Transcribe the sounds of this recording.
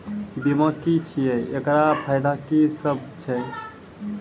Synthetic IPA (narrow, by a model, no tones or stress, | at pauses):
biməkit͡ʃʰijɛekɾapʰajd̪akisəb̚t͡ʃʰɛ